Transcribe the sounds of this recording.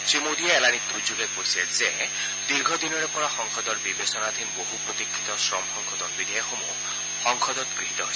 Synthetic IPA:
t͡ʃɹimod̪ieːlanit̪ud͡ʒuɡekoɹisɛze | d̪iɾɡʱɔd̪inɔɹepɔɹaxɔŋkʰɔd̪ɔɹbibesɔnad̪ʱinboɦupɹot̪ikʰːit̪ɔsɹɔmxɔŋkʰɔt̪ɔnbid̪ʱijaxomṵ | xɔŋkʰɔd̪ɔt̪ɡɹiɦit̪ɔɦojs

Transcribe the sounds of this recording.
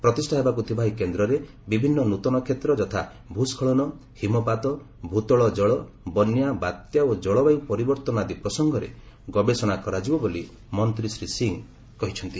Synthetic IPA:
pɾɔt̪isʈʰaɦebakut̪ʰibʱaɦikend̪ɾɔɾe | bibʱinːɔnut̪ɔnɔkʰet̪ɾɔd͡ʒɔt̪ʰa | bʱuskʰɔɭɔnɔ | himɔpat̪ɔ | bʱut̪ɔɭɔd͡ʒɔɭɔ | bɔnjabat̪jaod͡ʒɔɭɔbajupɔɾibɔɾt̪ɔnad̪ipɾɔsɔŋɡʱɔɾḛ | ɡɔbesɔɽ̃akɔɾad͡ʒibɔboli | mɔnt̪ɾisɾisiŋ | kɔɦit͡ʃʰɔnt̪i

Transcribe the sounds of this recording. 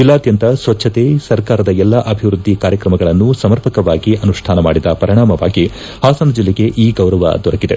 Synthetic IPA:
d͡ʒilːaːd̪jɐnt̪ɐsʋɐtːʰɐt̪esɐɾkaːɾɐd̪ɐɛlːɐʔɐbʱiʋɾud̪ʱːikaːɾjɐkɾɐmɐɡɐɭɐnːusɐmɐɾpɐkɐʋaːɡiʔɐnuʂʈʰaːnɐmaːɽid̪ɐpɐɾiɳaːmɐʋa̰ːɡi | haːsɐnɐd͡ʒilːeɡe̞ʔiːɡɐwɾɐʋɐ̰d̪ɔɾɐɡid̪e̞

